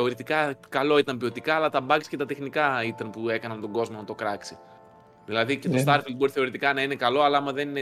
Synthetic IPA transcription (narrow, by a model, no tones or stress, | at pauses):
eo̞ɾit̪ikɐkɐlo̞it̪ɐmpio̞t̪ikɐːlɐt̪ɐbɐksi̥ce̞t̪ɐt̪e̞xnikɐit̪ɐnpue̞kɐnɐnt̪o̞ɡo̞zmonɐt̪o̞kɾɐksi | ðilɐðicet̪ost̪ɐɾfilbo̞ɾiθe̞o̞ɾit̪ikɐnɐine̞kɐlo̞ɐlɐɐmɐðe̞nine